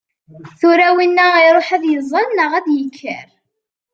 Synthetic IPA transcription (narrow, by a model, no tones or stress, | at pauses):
θuɾæwinːəiɾˤoħæðjəzˤːɑnnəʁæðjəkʰːəɾ